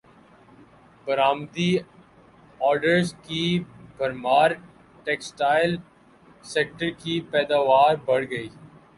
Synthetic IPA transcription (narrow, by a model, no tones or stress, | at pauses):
bɐɾaːmd̪i | ɔːɾɖəɾzkibʱɐɾmaːɾ | ʈeːksʈaːɪl | seːk̚ʈəɾkipɛːd̪aːʋaːɾbɐɽ̤ɡɐiː